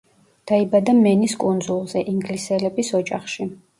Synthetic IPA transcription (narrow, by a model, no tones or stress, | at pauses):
d̪̥aibad̪amɛniskʼund̪zulˠzɛʔiŋɡlisɛlɛbisɔd͡ʒʼaχʃi